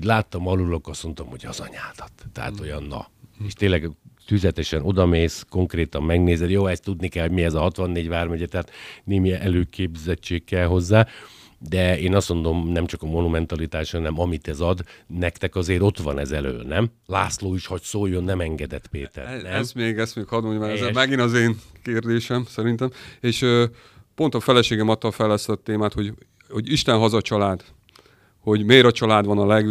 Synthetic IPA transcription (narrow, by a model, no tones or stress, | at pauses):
oɟlaːt̪ːɒmɒlulokɒsmo̞nt̪omho̞ɟɒ̰zɒ̰ɲaːd̪̥ɒt̪ːɛ̰ɦa̰t̪ojɒnːɒ̰eːʃt̪eːnlːɛɡt̪yzlɛt̪ɛʃɛno̞d̪ɒmeːsko̞ŋkreːt̪ɒmːɛɡneːzɛd̪joːɛst̪ud̪nikɛlho̞ɟmiɛzɒɦɒt̪ʋɒnːeːɟʋaːrmɛɟɛt̪ɛɦaːt̪neːmiʔɛløːkʰeːbzɛt͡ʃːeːkːɛlɦo̞zːaː | d̪ɛeːnɒso̞nd̪o̞mnɛmt͡ʃɒkɒmo̞numɛnt̪ɒlit̪aːʃhɒnɛmɒmit̪ɛzɒd̪nɛkt̪ɛkɒzeːɾo̞t̪ʋɒ̰nɛ̰zɛlø̰ːlnɛm | laːtsloːiʃhɒcsoːjːonːɛmɛŋɡɛd̪ɛt̪peːt̪ɛ̰ɾznɛɛsmeːɡɛst̪meːkhɒd̪oɲmaɛzmɛɡinɒzeːŋkeːrd̪eːʃɛmsɛɾint̪ɛmeːʃøː | po̞nt̪ɒfɛlɛʃeːɡɛmɒt̪ːɒfɛlɛst̪ɒt̪eːmaːt̪ho̞ɟ | ho̞ɟiʃt̪ɛnɦɒzɒt͡ʃɒlaːd̪̥ | ho̞ɟmeːɾɒt͡ʃɒlaːd̪ʋɒnɒlɛɡ